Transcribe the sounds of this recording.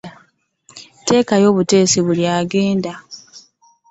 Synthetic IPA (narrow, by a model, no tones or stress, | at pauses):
te̞ːkajo̞ːβute̞ːsiβuljaːɡe̞ːnda